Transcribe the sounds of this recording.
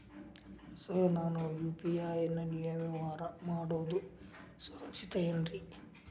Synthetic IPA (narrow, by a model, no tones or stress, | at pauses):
sonaːnujuːpijaːjɐnːɐnijɐʋɐʋaːɾɐmaːɽoːd̪usɐɾɐkt͡ʃit̪ɐjɐnɾi